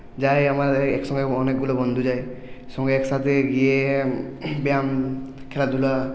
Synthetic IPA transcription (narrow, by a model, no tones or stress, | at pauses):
d͡ʒajamaɾeksɔ̃ŋɡeɔnek̚ɡulɔbɔnd̪ʱud͡ʒajsɔŋɡeeksat̪ʰeɡie | bijamkʰɛlad̪ʱula